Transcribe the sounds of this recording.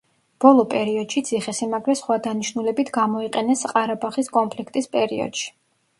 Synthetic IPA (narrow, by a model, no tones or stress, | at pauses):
b̥ɔlˠɔpʼɛɾiɔd̪̥ʃit̪sʰiχɛsimaɡɾɛsχwad̪aniʃnulɛbit̪ʰɡamɔiqʼɛnɛsqʼaɾabaχiskʼɔnmpʰlikʰt̪ʼispʼɛɾiɔ̰d̪̥ʃi̥